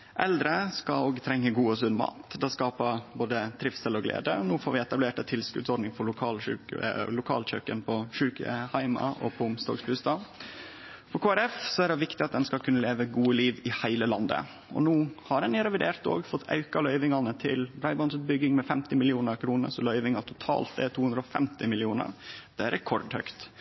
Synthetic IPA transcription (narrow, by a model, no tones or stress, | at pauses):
ʔɛld̪ɾəskɑoːɡt̪ʰɾɛŋːəɡuːəsʉnmɑ̰ːt̪d̪ɛskɑːpəboːd̪ət̪ʰɾɪfsəlɔɡlḛːd̪ə̰ɔnuːfoːɾʋɪɛt̪ɑbleːʈɑt̪ʰɪlskʉ̰d̪sɔɖnɪŋfɔɭʊkʰɑːlʉ̰lʊkʰɑ̰ːlc͡çø̰ːkənpʰɔʂʉːkə̰hæɪmɑ̰ʔɔ̰pʰɔʊmst̪o̰ːksbʉːst̪ɑː | fɔɾkʰoːæɾɛfsɔæɖɛʋɪkt̪ɪɑt̪̚d̪ɛnskɑlkʰʉnːəleːʋəɡuːəliːʋɪhæɪləlɑnd̪ə̰ | ɔ̰nuːhɑɾɛnɪɾɛʋɪd̪eːɾt̪o̰ːɡfɔt̪ʰːɑ̰ʉkɑlœʏʋɪŋɑnət̪ʰɪ̰lbɾɑɪbɔnsʉːt̪̚bʏɡːɪŋmɛfɛmt̪ɪmɪlɪuːnəɾkʰɾuːnə̰ɾsɔlœʏʋɪŋɑt̪ʰʊt̪ʰɑ̰ːlt̪̚d̪ɛt̪ʰuːhʉnd̪ɾɔfɛ̰mt̪ɪmɪlɪuːnə̰ɾd̪̥ɛæɾɛkʰɔɾɖ̪hœ̰ʏkt̪